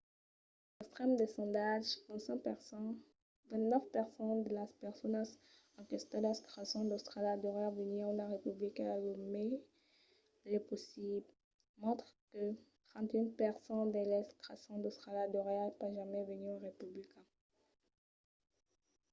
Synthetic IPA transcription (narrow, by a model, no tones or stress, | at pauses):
ɛkst̪χɛmd̪esɔ̃d̪aʒkɔ̃sɑ̃p | vɛ̃nt̪nəfpɛʁsɑ̃d̪əlapɛʁsɔnas | ɑ̃kɛst̪ãdɛst̪ʁasɔ̃d̪ost̪χalad̪ɔʁeavəniũlaʁepyblikɛ̃alome | lɛposibl | mɔ̃t̪χkət̪χɑ̃t̪ynpɛʁsɑ̃d̪elɛst̪χasɔ̃d̪ost̪χalad̪ɔʁeapaʒamɛvənyõʁepyblikɛ̃